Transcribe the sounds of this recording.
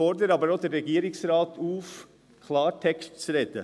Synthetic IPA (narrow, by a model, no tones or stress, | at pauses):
ɔɾdəɾɑːbəɾod̥̪ɛɾɛɡiːɾɪksɾɑːt̪ʰuːf | kʰlɑːɾtʰɛkstt͡sɾɛt̪ə